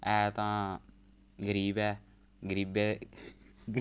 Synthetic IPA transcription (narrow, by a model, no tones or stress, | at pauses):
ɛːt̪ãː | ɡəɾiːbɛː | ɡəɾiːbeː